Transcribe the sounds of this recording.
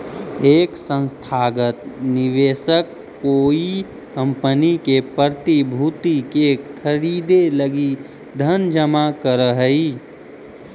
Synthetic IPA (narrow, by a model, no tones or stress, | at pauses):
eːksə̃nst̪ʰaːɡət̪nɪʋeːsəkː | oːi | kə̃mpənikepəɾt̪ibʱuːt̪ikekʰəɾiːd̪eləɡi | d̪ʱənd͡ʒəmakəɾəɦəiː